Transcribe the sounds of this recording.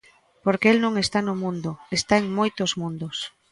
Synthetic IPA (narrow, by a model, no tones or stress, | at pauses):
poɾkeelnõŋest̪anʊmũnd̪ʊest̪aeŋmojt̪ozmũnd̪ʊs